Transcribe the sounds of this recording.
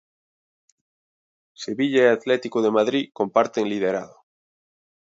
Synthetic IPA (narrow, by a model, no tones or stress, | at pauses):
se̞βiʎaeat̪let̪ikoðe̞maðɾiko̞mpaɾt̪eŋlið̞eɾa̰ðo